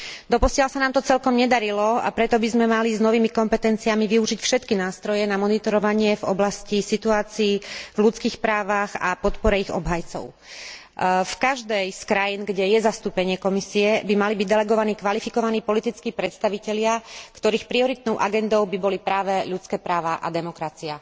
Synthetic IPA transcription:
d̪ɔpɔsɪalsanaːmt̪ɔt͡sɛlkɔmɲɛd̪aɾilɔa̰pɾɛt̪ɔbizmɛmaliznɔʋiːmikɔmpɛt̪ɛnt͡siamiʋiuʒicfʃɛt̪kinaːst̪ɾɔjɛnamɔnit̪ɔɾɔʋaɲɪɛvɔ̰blascisit̪uaːt͡siːvlut͡skiːxpɾaːʋaɣa̰pɔt̪pɔɾɛiɣɔ̰bɦajt͡sɔ̰ʊ | fkaʒd̪ɛjskɾajinɡɟɛjɛzast̪uːpɛɲɪɛkɔmisiɛbimalibiɟd̪ɛlɛɡɔʋaniːkʋalifikɔʋaniːpɔlit̪it͡skiːpɾɛt̪st̪aʋicɛʎɪakt̪ɔɾiːxpɾiɔɾit̪̚nɔʊʔaɡɛnd̪ɔʊbibɔlipɾaːʋɛʎut͡skɛːpɾaːʋaʔa̰d̪ɛmɔkɾat͡sia

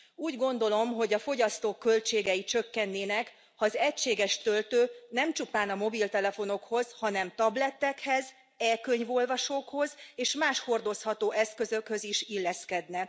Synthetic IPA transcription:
uːɟɡo̞n̪d̪o̞lo̞mɦo̞ɟɒfo̞ɟɒst̪oːkːølt͡ʃeːɡɛjit͡ʃø̞kːɛnːeːnɛk | hɒːzɛcʃeːɡɛʃt̪ølt̪øːnɛmt͡ʃupaːnɒmo̞bilt̪ɛlɛfo̞no̞kho̞zhɒnɛmt̪ɒblɛt̪ːɛkhɛz | ɛlkøɲvo̞lvɒʃoːkho̞zeːʃmaːʃho̞rd̪o̞shɒt̪oːʔɛskøzøkhø̞ziʃilːɛskɛd̪nɛ

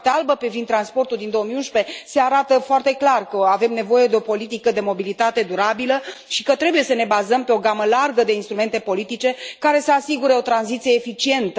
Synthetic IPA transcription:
t̪ealbəpevind̪t̪ːɾanspo̞rt̪uld̪ind̪o̞omiunʃpe̞se̞aɾat̪əfoart̪e̞klarkəave̞mne̞vo̞je̞d̪eo̞po̞lit̪̬ikəd̪e̞mo̞bilit̪at̪e̞d̪uɾabiləʃi̥kət̪ɾe̞buje̞səne̞bazəmpe̞o̞ɡaməlarɡəd̪einst̪ɾume̞nt̪e̞po̞lit̪it͡ʃe̞kaɾe̞səasiɡuɾeo̞t̪ɾanzit̪sijeːfit͡ʃie̞nt̪

